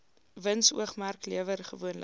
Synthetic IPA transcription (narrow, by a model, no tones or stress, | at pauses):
vənsṵəχmærkliəvərχəvuənlə